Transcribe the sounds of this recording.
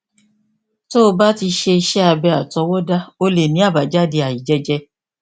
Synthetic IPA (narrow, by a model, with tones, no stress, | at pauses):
to˦o˧ba˦ti˧ʃe˧i˧ʃɛ˦a˧bɛ˧a˨tɔ˧˦wɔ˦da˦o˧le˨nĩ˨˦a˦˨ba˨d͡ʒa˦di˧a˨ji˨d͡ʒɛ˧d͡ʒɛ˧